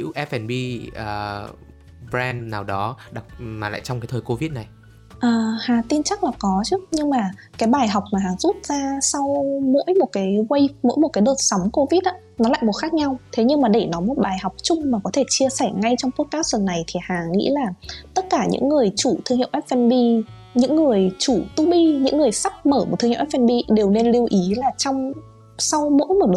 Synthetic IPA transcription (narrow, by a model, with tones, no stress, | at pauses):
ḭ˧˥wʔɛ˦˥f̚ʔɛ˧nɓi˧əː˨˩ | bɾɛ˧nnaː˨˩wɗɔ˨˦ɗa˨˩t̚maː˨˩la̰ː˧˨jt͡ɕɔ˧wŋ͡mkaː˨˦jt̪ʰːjko˧vi˦˥t̚na˨˩j | ʔəː˨˩haː˨˩t̪i˧nt͡ɕa˦˥k̚laː˨˩kɔ˨˦t͡ɕɨ˦˥ɲɨ˧ŋmaː˨˩kaː˨˦jɓaː˨˩jɦa˨˩wk͡p̚maː˨˩ɦaː˨˩zu˦˥t̚z̥aː˧sɔ˧wmo̰˧˥jmo˨˩t̚kaː˨˦jkwə˧jmo̰˧˥jmo˨˩t̚kaː˨˦jɗəː˨˩t̚sa˨˦wŋ͡mko˧vi˦˥t̚ʔaː˧˥ | nɔ˨˦la̰ː˧˨jmo˨˩t̚xa˦˥k̚ɲa˧wt̪ʰe˨˦ɲɨ˧ŋmaː˨˩ɗe˧˩nɔ˨˦mo˨˩t̚ɓaː˨˩jɦa˨˩wk͡p̚t͡ɕʊ˧ŋ͡mmaː˨˩kɔ˨˦t̪ʰe˧˩t͡ɕi˧əsɛ˧˩ŋa˧jt͡ɕɔ˧wŋ͡mt̪u˦˥ət̚kaː˨˦˥wsə˨˩nːa˨˩jt̪ʰi˨˩haː˨˩ŋḭ˧˥laː˨˩t̪ə˦˥t̚kaː˧˩ɲɨ̰˧˥ŋːɨ˨˩əjt͡ɕu˧˩t̪ʰɨ˧ŋhḭ˧˨wʔɛ˦˥t̚fɛ˧nɓi˧ | ɲɨ̰˧˥ŋːɨ˨˩əjt͡ɕu˧˩t̪u˨˦ɓi˧ɲɨ̰˧˥ŋːɨ˨˩əjsa˦˥k̚məː˧˩mo˨˩t̪ʰːŋ˧˥ʔɛ˦˥fɛ˧nɓi˧ɗe˨˩wne˧nli˧əwʔi˨˦laː˨˩t͡ɕɔ˧wŋ͡m | sa˧wmo̰˧˥jmo˨˩ɗɨ˨˩